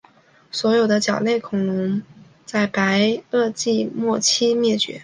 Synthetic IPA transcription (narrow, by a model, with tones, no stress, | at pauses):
swɔ˧˥jo˨˩ʊd̪ə˦t͡ɕjɑ˨˩ʊle˥˩ɪkʰʊ˨˩ŋlʊ˧˥ŋ | t͡sa˥˩ɪpa˧˥ɪɤ˥˧t͡ɕi˥˧mwɔ˥˩t͡ɕʰi˥mjɛ˥˩t͡ɕɥɛ̰˧˥